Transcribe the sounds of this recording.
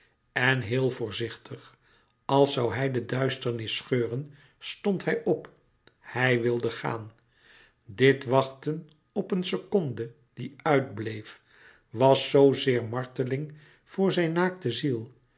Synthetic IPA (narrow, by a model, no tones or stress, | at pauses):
ɛnɦɪːlˠvʊːɹzɪχtʰəχ | ɑlˠsɑwɦɛjdədœɥstəɹnɪsχøːrən | stɔnthɛjʔɔp | hɛjʋɪlˠdəχa̰ːn | dɪtʋɑχtən | ɔpənsəkɔndə | d̥iœɥdblejf | ʋɑsːowzɪːɹmɑɹtəlɪŋ | v̥ʊːɹzɛjnːaːktəzilˠ